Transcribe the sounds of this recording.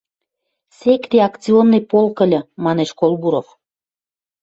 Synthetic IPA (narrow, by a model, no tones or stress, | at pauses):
sekt̪eɑkt͡sionːɤjpolkə̆lʲɤ̆mɑneʃkolˠbuɾof